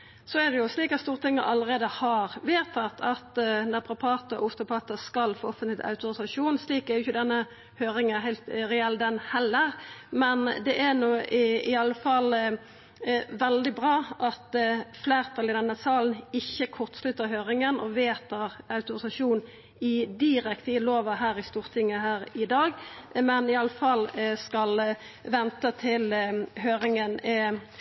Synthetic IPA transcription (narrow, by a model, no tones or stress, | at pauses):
sɔɛd̪ɛjʊsliːkɑt̪st̪uːʁt̪ʰɪŋːəʔɑlːəʁeːd̪əhɑɾʋeːt̪ʰɑt̪ʰɑt̪nɛpʰʁʊpʰɑːt̪əɔ̰ʊst̪ʊpʰɑːt̪əskɑlfoːɔfənt̪lɪt̪ɑ̰ʉt̪ʊɾɪsɑʂuːnsliːkɛjʊʏçəd̪ɛnːə | høːɾɪŋənɛɦæɪlt̪ɾɛɛld̪ɛnhɛlːəɾmɛnd̪ɛʔænuːɪɪɑlːəfɑl | ʋɛld̪ɪbʁɑːʔɑt̪fleːʁt̪ʰɑːlɪd̪ɛnːəsɑːln̩ɪçːəkʰʊʁt̪slʉt̪ːəʁɦøːɾɪŋənʔɔʋeːt̪əɾɑʉt̪ʊɾɪsɑʃuːn | ɪd̪ɪʁɛkt̪ɪloːʋəɦæːɾɪst̪uːʁt̪ʰɪŋːəɦæːʁɪd̪ɑːɡmɛnɪɑlːəfɑlːskɑlʋɛnt̪ət̪ʰɪlɦøːɾɪŋənɛ